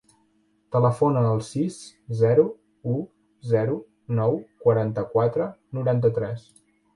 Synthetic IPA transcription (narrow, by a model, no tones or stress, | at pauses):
t̪ələfonəːlˠsiszɛɾu | u | zɛɾu | nɔwkwəɾant̪əkwat̪ɾənuɾant̪ət̪ɾɛs